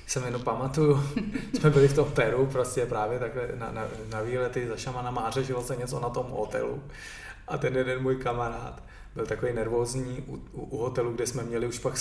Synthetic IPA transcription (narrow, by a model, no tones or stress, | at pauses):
sɛmjɛnowpamat̪ujusmɛbɪlɪft̪o̞mpɛɾupɾoscɛpɾaːvjɛt̪aklɛna̰nanaviːlɛt̪ɪzaʃamanamaːrɛʒɪlosɛɲɛt͡so̞nat̪o̞mɦot̪ɛ̰lṵ | ʔat̪ɛnjɛdɛnmuːjkamaɾa̰ːt̪ | bɪlt̪akovejnɛɾvo̞ːzɲiːʔuuʔuɦo̞t̪ɛluɡdɛsmɛmɲɛlɪuʃpak